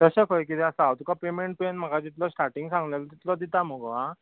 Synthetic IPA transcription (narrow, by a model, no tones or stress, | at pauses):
t̪əɕekʰojkit̪ɛasaawt̪ukapemeɳʈ̚penm̤əkad͡ʑit̪lɔsʈaɾʈiŋɡsãŋɡlelɔt̪it̪lɔd̪it̪aməɡʋa